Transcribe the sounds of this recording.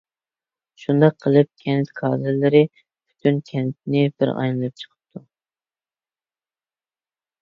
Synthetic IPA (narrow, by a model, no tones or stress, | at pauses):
ʃund̪ɑq̚qʰːəlˠɨp̚kʲʰɛnt̪kʰɑːzɨɾlɪɾɪ | b̥y̥t̪ʰynkʲʰɛnt̪̚nɪbɪ̰ɾɑ̰jnɨlˠɨp̚t͡ʃʰə̥qʰə̥p̚t̪ʰu